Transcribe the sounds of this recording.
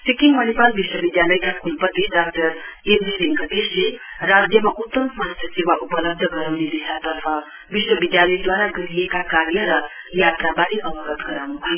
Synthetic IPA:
sikiŋmʌnipalbiswʌbid̪jalʌjkakʰulpʌt̪ːidak̚ʈʌɾemdiɾeŋkad̪eslerad̪jʌmaʔut̪ːʌmmʌɦasʌt͡siwaʔupʌlʌb̚d̪ʱʌɡʌɾawned̪isat̪ʌrpʰʌ | biswʌbid̪jalʌjd̪waɾaɡʌɾijekakaɾjʌɾʌ | jat̪rabaɾiʔʌbʌɡʌt̪ɡʌɾawnubʱʌj

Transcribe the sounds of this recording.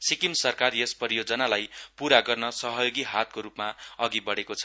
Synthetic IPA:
sikimsʌrkarjespʌɾijod͡zʌnalajpuɾaɡʌrnʌsʌɦʌjoɡiɦat̪̚koɾupmaʌɡibʌɽekot͡sʰʌ

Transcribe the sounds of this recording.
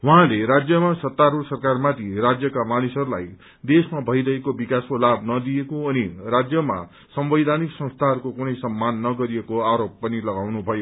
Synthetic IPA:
wʌɦãleɾad͡zjʌmasʌt̪ːaɾursʌrkarmat̪ʰirad͡zjʌkamanisʌɾulaj | d̪esmabʱʌjɾʌɦekobikaskolabnʌd̪iekoʌnirad͡zjʌma̰ | sʌmbʌjd̪ʱaniksʌ̃st̪ʰaɦʌɾukokunʌjsʌmːanːʌɡʌɾiekoaɾop̚pʌnilʌɡawnubʱʌjo

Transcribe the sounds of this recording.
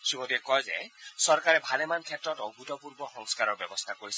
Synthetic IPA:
ʃibodiekɔjzḛsɔɾkaɾebʱalemankʰetɾɔtoɡutɔpuɾbɔxɔŋskaɾɔɾbjɔbɔst̪ʰakoɾis

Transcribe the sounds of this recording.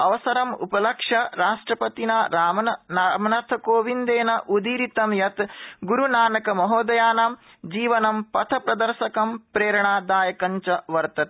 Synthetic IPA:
ɐʋɐsɐɾɐmṵpɐlɐkʂɐɾaːʂʈɾɐpɐt̪inaːɾaːmɐnamɐnɐɾt̪ʰɐkoːʋind̪eːnɐʔud̪iːɾit̪ɐmjɐt̪ɡuɾunaːnɐkɐmɐɦoːd̪ɐjaːnaːm | d͡ʒiːʋɐnɐmpɐt̪ʰɐpɾɐd̪ɐɾʃɐkɐmpɾeːɾɐɳaːd̪aːjɐkɐɲt͡ʃɐʋɐɾt̪ɐt̪̚

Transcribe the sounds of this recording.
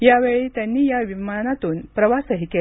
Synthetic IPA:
jaʋeɭiːt̪janːiːjaʋimanat̪uːnpɾəʋasəɦike

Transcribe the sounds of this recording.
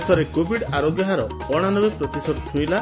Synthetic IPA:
sɔɾekobʱiɽaɾoɡjɔɦaɾɔ̰ | ɔɽ̃anɔbepɾɔt̪isɔd̪t̪ʰuila

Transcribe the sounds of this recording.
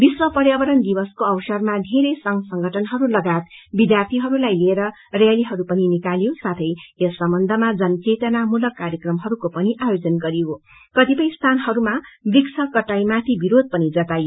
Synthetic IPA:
biswʌpʌɾjabʌɾʌnd̪ibʌskoʌwsʌrmad̪ʱeɾejsʌŋɡsʌŋɡʱʌʈʰʌnɦʌɾulʌɡat̪̚bid̪jart̪ʰiɦʌɾulajlieɾʌ | raliɦʌɾupʌninikaljosat̪ʰʌjesːʌmbʌnd̪ʱʌmad͡zʌnʌt͡set̪ʌnamulʌkːaɾjekrʌmɦʌɾukopʌniʔajod͡zʌnɡʌɾiɦo | kʌt̪ipʌjst̪ʰanɦʌɾumabiksʌkʌʈajmat̪ʰibiɾod̪̚pʌnid͡zʌt̪ajo

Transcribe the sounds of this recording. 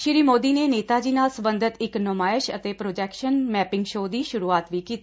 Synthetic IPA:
ʃɪɾiːmoːd̪iːneːneːt̪aːd͡ʒiːnaːlsəbənd̪ʱət̪ɪknomaːɪʃət̪eːpɾoːd͡ʒɛːkʃənmɛːpɪ̃ŋɡʃoːd̪iːʃʊɾuːaːt̪ʋiːkiːt̪i

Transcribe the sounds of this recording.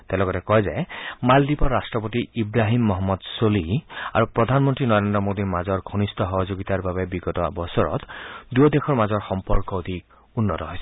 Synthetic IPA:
t̪elɔɡɔtɛkɔɦjzajmald̪ipɔɾasʈɹɔpot̪iibɾaɦimːɔɦɔmːɔd̪solia̰ɹupɹɔd̪ʱanmɔnt̪ɹinɔɾend̪ɔmod̪iɹmazɔɹɡʱonist̪ɔɦɔɦɔzoɡit̪aɹbabebiɡɔtɔ̰bɔsɔɹɔ̰t̪d̪uɔd̪ekʰɔɹmazɔɹxɔmpɔɹkɔod̪ʱik̚ | unːɔtɔɦojsɛ

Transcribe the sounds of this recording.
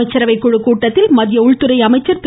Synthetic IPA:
ɐɪt͡ʃːɐɾɐʋɐɪkːɔɻɯkːuːʈːɐt̪ːɪlmɐðɪjɐʊɭt̪ɯɾɐɪɐmɐɪt͡ʃːɐɾp

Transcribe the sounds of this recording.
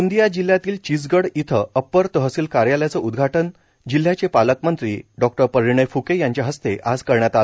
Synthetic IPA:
und̪ijad͡ʑil̤jat̪iːlt͡ɕid͡zɡəɽit̪ʰəəpːəɾt̪əɦəsiːlkaɾjaljat͡səud̪ɡʱaʈən | d͡ʑil̤ːjat͡ɕepaləkmənt̪ɾḭːɖɔk̚ʈəɾpəɾiɳ̃əjfukejaɲt͡ɕjaɦəst̪eʔad͡zkəɾɳjat̪al

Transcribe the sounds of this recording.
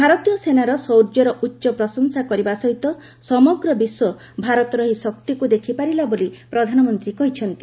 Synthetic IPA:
bʱaɾɔt̪ijɔsenaɾɔsɔwɾd͡ʒɔɾɔʔutːʃɔpɾɔsɔŋsakɔɾibasɔɦit̪ɔ | sɔmɔɡɾɔbiswɔ | bʱaɾɔt̪ɔɾɔɦisɔk̚t̪ikud̪ekʰipaɾilabolipɾɔd̪ʱanɔmɔnt̪ɾikɔɦit͡ʃʰɔnt̪i̥

